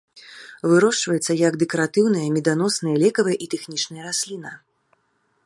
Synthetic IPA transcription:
vɨɾɔʂt͡ʂvɐjɛt̪sːɐjɐɡd̪ɛkɐɾat̪ɨwn̪ɨjɐmʲɛd̪an̪ɔsnɨjɐlʲɛkɐvɨjɛʔit̪ɛxnʲit͡ʂnɐjɐɾasʲlʲinɐ

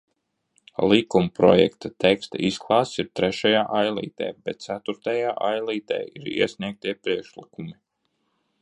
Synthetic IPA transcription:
lˠikumpɾɔ̰jɛ̰kt̪at̪ɛkst̪a̰ʔisklˠɑːssiɾt̪ɾɛʃajaːʔajlˠḭːt̪ɛ̰ːbɛt̪̚t̪sæt̪uɾt̪ajaːʔajlˠiːt̪ɛ̰ːiɾḭɛsʲnʲiɛk̚t̪ʲiɛpɾiɛkʃlikumi

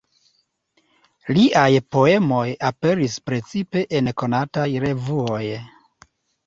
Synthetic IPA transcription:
liʔajpo̞e̞mo̞jape̞ɾispɾe̞t͡sipe̞ʔenko̞natajɾe̞vuo̞j

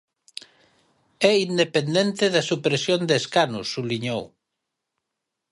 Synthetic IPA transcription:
ɛind̪epend̪ent̪eðɐsupɾesjond̪eskanʊ̰sːuβliɲow

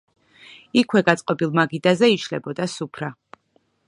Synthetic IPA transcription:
ikʰwɛɡat̪sʼqʼɔbilˠmaɡid̪azɛiʃʰlɛ̰bɔd̪asupʰɾa

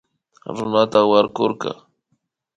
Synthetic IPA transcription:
ɾʊnat̪awaɾkoɾkɑ̰

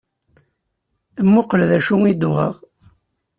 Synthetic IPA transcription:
mːʊqəlðæʃuŋid̪ʊʁə̰ʁ

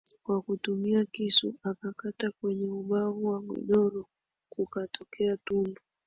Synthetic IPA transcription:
kwakutumiakisuakakatakwɛɲɛuɓavuwamɔ̰ɗɔɾɔ | kukatɔkɛatundɔ

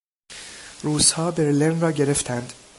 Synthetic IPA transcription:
ɾuːz̥hɒːbeɾlenrɒːɟe̞ɾeft̪ʰænd̪̥

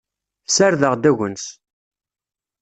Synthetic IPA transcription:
θsaɾðəʁd̪æʝəns

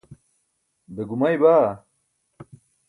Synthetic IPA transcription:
d̪ɐɡumɐjbaː

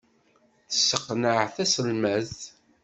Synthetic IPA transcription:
θə̥sːəqːnəʕθæsəlmæz

